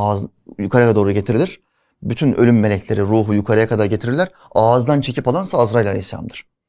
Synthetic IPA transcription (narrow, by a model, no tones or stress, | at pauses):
jukʰaɾajad̪oːɾuɟe̞t̪ʰiɾilʲiɾ̥ | byt̪ʰynølʲymːe̞lʲɛcʰlʲe̞ɾiɾuːɦujukʰaɾajakʰad̪aɾɟet̪ʰiɾiɾlʲæɾ | aːzd̪ant͡ʃʰe̞cʰipalˠansaːzɾajlʲˠalʲḛhisːḛlʲa̰md̪ɯɾ̥